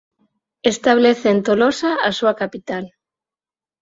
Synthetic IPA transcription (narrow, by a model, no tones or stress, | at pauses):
est̪aβ̞leθeːnt̪olosaasuakapit̪al